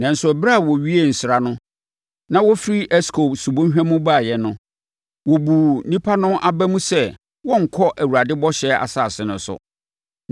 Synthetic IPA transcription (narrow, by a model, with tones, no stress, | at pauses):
nã˨n̩˨sʊ˦˨bɾa˦˨wɔ˨ɥi˦e˦˨n̩˨sɪ˨ɾa˨nʊ̃˦ | nã˦wɔ˦fɾi˦ʔɛ˦skʰo˨su˨bõ˦ɦᶣæ̃˦mũ˦baː˦˨jɛ˨nʊ̃˦ | wɔ˨bu˨nĩ˦pʰa˦nʊ̃˦ʔa˦bæ˦mũ˦sɛ˦ | wɔ̃˦ŋ̩˨kʰɔ˦ʔæ˨wu˨ɾa˨dɪ˦bɔ˦ɕɛ˦a̰˨saː˦˨sɪ˨nʊ̃˨˦sʊ̰˨